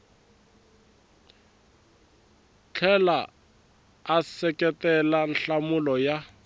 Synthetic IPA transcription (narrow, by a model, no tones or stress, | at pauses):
t͡ɬʰɛla | asɛkɛtɛlan̩ɬamʊlɔja